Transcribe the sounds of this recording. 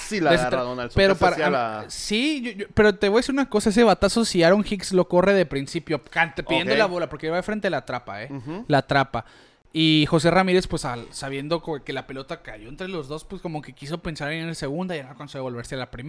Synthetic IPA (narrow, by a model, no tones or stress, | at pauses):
sileaaðonalspeɾopasiʝoʝope̞ɾo̞t̪eβo̞jaesiɾunako̞saes̬eβat̪aso̞siaɾo̞ŋxikslo̞ko̞re̞ðepɾinsipjo̞kant̪piðjend̪olaβo̞lapoɾkeelβaefɾe̞nt̪e̞alat̪ɾapaelat̪ɾapa | ixo̞s̬e̞ramiɾe̞spwe̞salsaβ̞je̞nd̪o̞kke̞lape̞lo̞t̪akaʝo̞ent̪ɾe̞lo̞zðospwe̞sko̞mo̞ke̞kiso̞pe̞nsaɾennese̞ɣ̞und̪ajankonseo̞lβe̞ɾsealapɾime